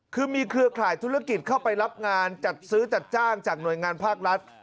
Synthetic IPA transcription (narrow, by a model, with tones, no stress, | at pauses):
kʰɯː˧miː˧kʰɾɯ˧ɐkʰaː˨˩jt̪ʰu˦˥ɾa˧˥ki˨˩t̪̚kʰa˥˩wpa˧jɾa˦˥p̚ŋaː˧nt͡ɕa˨˩t̪̚sɯː˦˥t͡ɕa˨˩t̪̚t͡ɕaː˥˩ŋt͡ɕaː˨˩k̚nu˨˩əjŋaː˧npʰaː˥˩k̚ɾa˦˥t̪̚